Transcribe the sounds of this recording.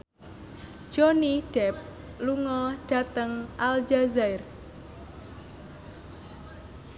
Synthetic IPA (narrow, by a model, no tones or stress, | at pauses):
d͡ʒ̥oniɖ̥ɛp̚ | luŋɔɖ̥a̤t̪əŋʔald͡ʒazaɪr